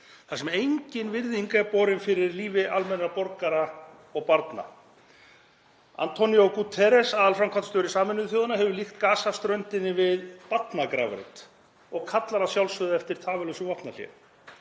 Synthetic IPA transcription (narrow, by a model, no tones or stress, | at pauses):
θasɛmejɲcɪnvɪɾðiŋkaɛpɔːɾɪnfɪɾɪɾliːvɪʔalmɛnːɾapɔɾkaɾa | ɔɣpaɾt̪na̰ | a̰nt̪ʰɔnijokut̪ʰɛɾɛsaːðalfɾamkʰat̪st̪œɾɪsaːmɪnʏðθjowðanaɦɛvʏlixt̪kaːsast̪ɾœnt̪ɪnːɪvɪðpat̪nakɾa̰ːvʏ̰ɾɪ̰t̪ | ɔɣkʰat̪laɾasjawlsvʏðaɛft̪ɪɾ̥t̪ʰaːvɪlœwsʏvɔhpnal̥jɛ̰